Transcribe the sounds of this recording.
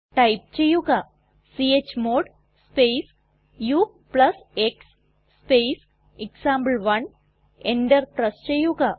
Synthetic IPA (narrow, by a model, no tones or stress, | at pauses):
ʈaip̚t͡ɕejuɡa | siet͡ɕmoɽ | spes | ju | pləseksː | pes | eksãmbəlʋən | eɳɖəɾpɾəst͡ɕejuɡa